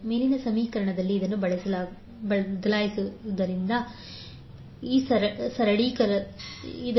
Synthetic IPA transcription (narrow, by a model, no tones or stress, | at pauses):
meːlinɐsɐmiːkɐɾɐɳɐd̪ɐlːiːd̪ɐnːubɐɭɐsɐlː | ɐd̪ɐlaːjisud̪ɐɾind̪ɐ | iːsɐɾsɐɾɐɽiːkɐ | id̪